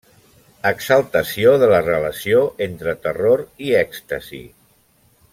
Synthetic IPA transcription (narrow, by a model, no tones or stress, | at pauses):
əksəlˠt̪əsioðələrələsioʔent̪ɾət̪əroɾiɛkst̪əzḭ